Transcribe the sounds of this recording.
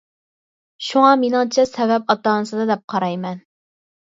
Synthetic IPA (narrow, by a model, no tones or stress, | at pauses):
ʃuŋɑmenɪŋt͡ʃʰɛsɛvɛp̚ɑt̪ɑːnɨsɨd̪ɨd̪ɛp̚qʰɑɾɑjmɛn